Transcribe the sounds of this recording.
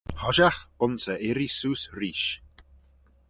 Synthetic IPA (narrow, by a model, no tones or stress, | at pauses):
hɔʒaxʊnsəʔɪɾisuːsɾiːʃ